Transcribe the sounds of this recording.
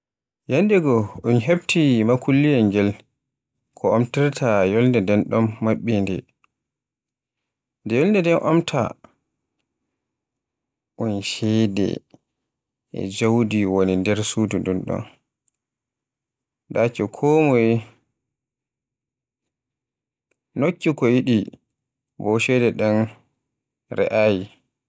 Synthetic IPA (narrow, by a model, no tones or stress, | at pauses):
jandɛɡɔʔunɦebtʰimakulːijɛŋɡɛl | kʰɔʔomtiɾtʰajɔlndɛdɛnɗɔmːaɓːindɛ̰ | ndɛjɔlndɛdɛnʔɔmtʰa̰ | ʔunʃɛdɛ̰ | ʔɛ̰d͡ʒawdiwonindɛɾsududɛnɗɔ̰n | dat͡ʃɔkʰɔːmɔj | nokːikɔjiɗi | bɔʃɛdɛɗɛn | ɾɛ̰ʔaːji